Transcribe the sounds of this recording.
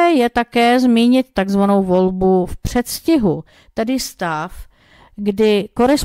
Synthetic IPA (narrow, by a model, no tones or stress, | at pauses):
ɛjɛt̪akɛːzmiːɲɪt̪ːaɡzvanowvo̞lbufpr̥ɛt̪scɪɦu | t̪ɛdɪst̪af | ɡdɪkoɾɛs